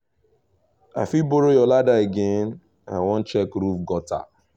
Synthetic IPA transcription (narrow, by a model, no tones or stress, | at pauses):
a̰fiboɾojɔladaeɡen | a̰wɔn̩t͡ʃɛkɾufɡɔta̰